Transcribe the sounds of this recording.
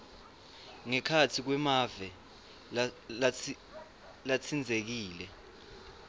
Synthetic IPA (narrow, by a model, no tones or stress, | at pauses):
ŋɛkʰatʰik̬wɛmavɛ | lat͡sʰind͡zʱek̬iːlɛ